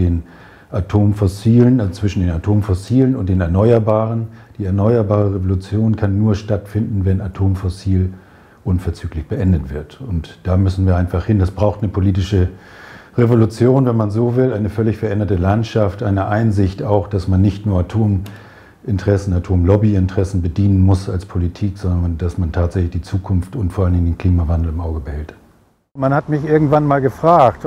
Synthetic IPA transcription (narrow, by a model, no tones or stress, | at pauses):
eːn | ʔatʰoːmfɔsiːlənat͡sv̥ɪʃn̩deːnatʰoːmfɔsiːlənʊnt̚d̥eːnɛɐnɔʏɐbaːʁ̞ənd̥iːɛɐnɔʏɐbaːʁ̞əʁevolut͡sjoːnkʰanːuːɐʃtatfɪndn̩vɛnatʰoːmfɔsiːl | ʔʊnfɛɐt͡syːklɪçb̥əʔɛndətv̥ɪɐtʊntd̥aːmʏsn̩viːɐaɪnfaχhɪndasb̥ʁaʊxtnəpʰoliːtɪʃə | ʁevolut͡sjoːnvɛnmanzoːvɪlʔaɪnəfœɐlɪçfɛɐʔɛndɐtəlantʃaftʔaɪnəʔaɪnzɪçtaʊxd̥asmanːɪçtnuːɐatʰoːm | ʔɪntəʁɛsn̩atʰoːmlɔbiɪntəʁ̥ɛsn̩bədiːnənmʊsalspʰolitʰiːkz̥ɔndndasmantʰaːtz̥ɛçlɪçd̥iːt͡suːkʰʊnftʊntfoɐalndɪŋəndeːnkʰl̥iːmavandl̩ɪmʔaʊɡəbəhɛlt | manhatmɪçʔɪɐɡŋ̩tv̥anmaːlɡəfʁ̥aːkt